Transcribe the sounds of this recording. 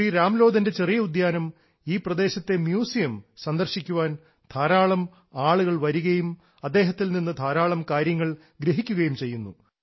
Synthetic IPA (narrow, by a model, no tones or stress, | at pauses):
iːɾaːmlo̞ːd̪ɐnde̞t͡ɕe̞rijɐud̪jaːnɐm | iːprɐd̪e̞ːɕɐt̪ːe̞mjuːsijɐmsɐnd̪ɐrɕikʲːuʋaːn | d̪ʰaːɾaːɭɐm | aːɭuɣɐɭʋɐɾuɣɐjum | ɐd̪ːe̞ːɦɐt̪ːilninːɨd̪ʱaːɾaːɭɐmkaːɾjɐŋːɐɭ | ɡɾeɦikʲːuɣɐjumt͡ɕe̞jːunːu